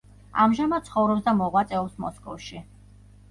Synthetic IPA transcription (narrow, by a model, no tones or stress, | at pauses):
a̰mʒamad̪̚sʰχɔvɾɔpsd̪amɔʁwat̪sʼɛɔpsmɔskʼɔfʃi